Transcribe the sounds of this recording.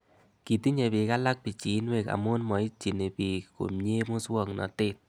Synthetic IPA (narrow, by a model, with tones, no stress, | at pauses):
ki˨ti˦ɲe˨bɪ˨ka˦la˦k̚pi˨t͡ʃi˨˦nwe˨ka̰˨mʊ˦nmɔ˨i˦t͡ʃi˨ne˨pi˨ko̰˨mɲe˦mʊ˦swɔ˦˨ŋnɔ̰˨tɪ˦˨t̚